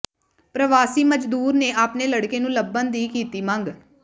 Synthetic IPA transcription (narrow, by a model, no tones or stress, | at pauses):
pɾəʋaːsiːməd͡ʒd̪uːɾneːʔaːpneːləɽkeːnũːləbənd̪iːkiːt̪iːmãŋɡ